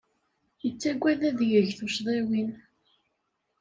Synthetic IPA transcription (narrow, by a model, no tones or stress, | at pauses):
jət͡sːæɡʷːæðæðjəʝθʊʃðˤewin